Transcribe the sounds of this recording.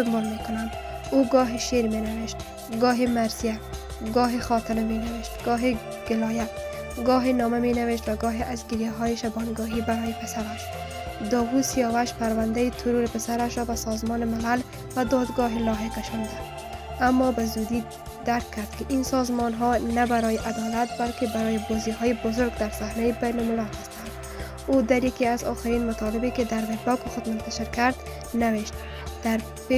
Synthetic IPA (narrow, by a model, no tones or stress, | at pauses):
ʊmbɔlmekʊnam | uɡɔːɦiʃeɾmenaweʃt̪̚ | ɡɔːɦimaɾzija | ɡɒːɦixɒt̪ɪmamenaweʃt̪ɡ̥ɒːɦi | ɡ̥ɪlɒːja | ɡɔːɦinɔːmamenaweʃt̪waɡɒːɦiʔazɡɪɾjaɦɔːjiʃabɔnɡɔːɦibaɾɔːjipɪsaɾaʃ | d̪ɒːɣusijɔwaʃpaɾwand̪ait̪ʰʊɾuɾɪpɪsaɾaʃɾɔbasɔzmɔnɪmɪlal | bad̪ɒd̪ɡɔɦɪlɒɦekaʃɔnid̪a | amːɔbazud̪i | d̪̥aɾkʰːaɾd̪kɪʔinsɔzmɔnɦɔnabaɾɔjɪʔad̪ɒlat̪̚balkɪbaɾɔjibɔziɦɔjibʊzʊɾɡd̪aɾsahnajibajnʊmɪlalhast̪and̪ | od̪aɾjakiazɒ̰xɪɾinmat̪ɔlɪbekɪd̪aɾmeɾbɒkxʊd̪mʊnt̪aʃɪɾkaɾd̪ | naweʃt̪ | d̪̥aɾ | p